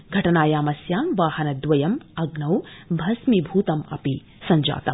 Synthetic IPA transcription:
ɡʱɐʈɐnaːjaːmɐsjaːmʋaːhɐnɐd̪ʋɐjɐmɐɡnɐwbʱɐsmibʱuːt̪ɐmɐ̰pi | sɐɲd͡ʒa̰ːt̪ɐm

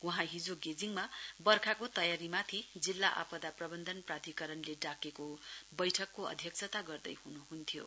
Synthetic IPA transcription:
uɦãɦid͡zoɡed͡ziŋmabʌrkʰakot̪ʌjaɾimat̪ʰid͡zilːaʔa̰pʌd̪aprʌbʌnd̪ʱʌnprat̪ikʌɾʌnleɖakekobʌjʈʰʌkːoʌ̰d̪ʱjʌk̚sʰʌt̪aɡʌrd̪ʌ̰jɦunuɦunt̪ʰjo̰

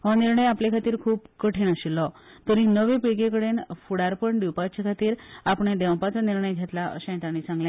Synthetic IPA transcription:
ɦɔniɾɳəjaplekʰat̪iːɾkʰuːpkəʈʰeɳəɕilːɔ | t̪əɾinəʋepiɭɡekəɽenfuɽaɾpəɳɖiwpat͡ɕakʰat̪iːɾapɳed̪ɛw̃pat͡saniɾɳəjɡʱat̪laə̰ɕãt̪añit͡sãŋɡljẽ

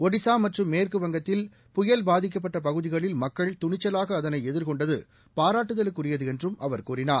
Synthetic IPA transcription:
ɔɽɪsaːmɐʈrɯmːeːrkɯʋɐŋɡɐt̪ːɪl | pʊjɐlbaːðɪk̬ːɐp̬ːɐʈːɐp̬ɐɣɯðɪɣɐɭɪlmɐkːɐɭt̪ʊɳɪt͡ʃːɐlaːɣɐːðɐnɐɪɛðɪɾkɔɳɖɐðɯ | paːɾaːʈːɯðɐlɯkːʊrɪjɐðɯɛndrɯmʔɐʋɐɾkuːrɪnaː

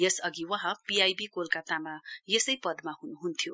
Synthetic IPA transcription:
jesʌɡiwʌ̃ɦãpiajbikolkat̪amajesʌjpʌd̪maɦunuɦunt̪ʰjo

